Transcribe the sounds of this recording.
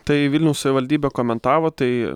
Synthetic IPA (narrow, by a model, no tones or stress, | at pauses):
t̪ɐɪʋʲilʲnʲɛʊsɐʋʲɪʋɐlʲd̪ʲiːbʲɛkoːmʲɛnt̪ɑːʋoːt̪ɐɪ